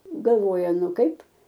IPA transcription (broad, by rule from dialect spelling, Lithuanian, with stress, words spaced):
ɡɐlˠˈʋoːjɛ ˈnʊ ˈkɐɪp